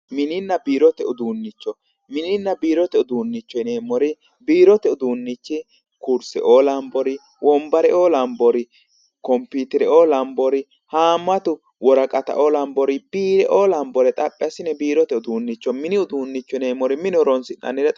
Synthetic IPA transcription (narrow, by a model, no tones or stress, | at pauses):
mɪnɪnːɐbiːɾɔt̪ɛʊd̪uːnːɪt͡ʃːɔ | mɪnɪnːɐbiːɾɔt̪ɛʊd̪uːnːɪt͡ʃːɔɪneːmːɔɾɪ | biːɾɔt̪ɛʊd̪uːnːɪt͡ʃːɪ | kuɾsɛ̰ʔoːlɐmbɔɾɪ | wʔɔmbɐɾɛʔoːlɐmbɔɾɪ | kɔmpːiːt̪ɪɾɛʔoːlɐmbɔɾɪ | haːmːɐt̪ʊ | wɔɾɐkʼɐt̪ɐ̰ʔoːlɐmbɔɾɪb̥iːɾɛʔoːlɐmbɔɾɛt̪ʼɐpʼːɛɐsɪnɛbiːɾɔt̪ɛʊd̪uːnːɪt͡ʃːɔmɪnɪʊd̪uːnːɪt͡ʃːɔneːmːɔɾɪmɪnɔɾɔnsɪnːɐ̰nːɪɾɛt̪